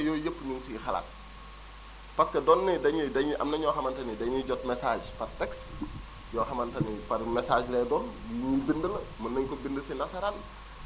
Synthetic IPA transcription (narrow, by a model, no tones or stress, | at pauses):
jɔːjəpːɲuŋsixɐ̰la̰t̚ | pɐskɐdɔːnːɛdɐɲidɐɲʔɐ̰mnɐɲɔːxɐmɐntɐnidɐɲuɟɔtmɛsaːd͡ʒpɐrtɛks | jɔːxɐmɐntɐnipɐrmɛsaːd͡ʒlɛːdɔːnnulbindəlɐmɐnːɐŋkɔbindəsinɐsɐɾɐl